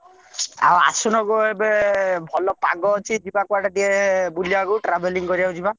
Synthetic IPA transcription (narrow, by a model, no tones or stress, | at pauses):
a̰wa̰sunɔɡuebebʱɔlɔpa̰ɡɔːt͡ʃʰid͡ʒibakuaʈadiɛbuliakuʈɾabʱeliŋkɔɾiaud͡ʒiba